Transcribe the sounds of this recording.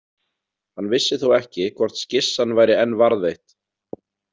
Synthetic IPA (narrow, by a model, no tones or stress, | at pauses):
hanːvɪsːɪθuwɛhcɪkʰvɔr̥t̪scɪsːanːvaːjɾɪɛnːvaɾðvejht̪